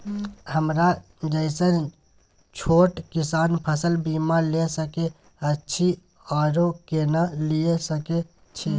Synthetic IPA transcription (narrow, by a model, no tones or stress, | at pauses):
həmɾa | d͡ʒəɪsən | t͡ʃʰoʈkisanpʰəsəlbimaɾlesəke | ətːʃʰi | ɔɾokenaliesəke | t͡ʃʰe